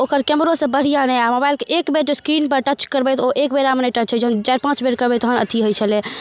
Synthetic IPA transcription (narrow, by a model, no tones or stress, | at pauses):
okəɾkɛmɾosə̃bəɽ̤ijãnɛamobajlkeʔekbeɾd͡ʒeskɾinpəɾʈət͡ʃkəɾbɛt̪oʔekbeɾaməneʈət͡ʃʰɛd͡ʒəɦənt͡ʃajɾpãt͡ʃbeɾkəɾbɛt̪oɦənə̰t̪ʰiɦojt͡ʃʰəlɛ